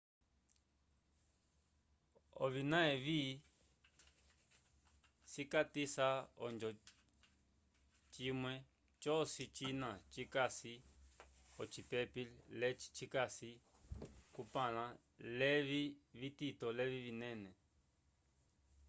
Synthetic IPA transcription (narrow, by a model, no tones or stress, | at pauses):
o̰βinãẽβiː | sikat̪isao̰nd͡ʒo | t͡ʃimwẽ | t͡ʃosit͡ʃinãt͡ʃikasi | ot͡ʃip̪epillet͡ʃi̥t͡ʃikasi | kupãlã | leβiβit̪it̪oleβiβinẽnẽ